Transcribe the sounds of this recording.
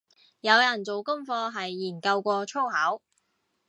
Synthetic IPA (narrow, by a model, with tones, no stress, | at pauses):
jɐ˨˧wjɐ˨˩nt͡so˨wkʊ˥ŋfɔː˧ɦɐ˨jːiː˨˩nkɐ˧wkʷɔː˧t͡ʃʰo˥whɐː˨˥w